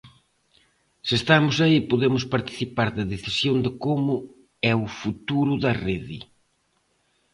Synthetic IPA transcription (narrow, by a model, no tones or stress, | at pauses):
sɪest̪amʊsɐipoðemʊspɐɾt̪i̥θipaɾðɐðeθisjond̪ɪkomʊ | ɛʊfut̪uɾʊðɐreðɪ̰